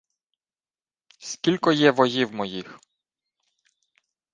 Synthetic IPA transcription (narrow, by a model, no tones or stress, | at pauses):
skʲilʲkɔjɛvɔjiwmɔjix